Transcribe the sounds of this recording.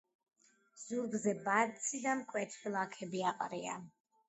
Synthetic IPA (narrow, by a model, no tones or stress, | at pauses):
z̥uɾɡzɛbat̪sʰid̪amkʼwɛt̪ʰχilˠakʰɛbiaqʼɾia̰